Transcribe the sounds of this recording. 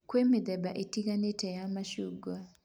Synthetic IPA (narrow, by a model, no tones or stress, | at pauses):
kwemed̪ɛbaʔetikanetɛjamaʃuɡa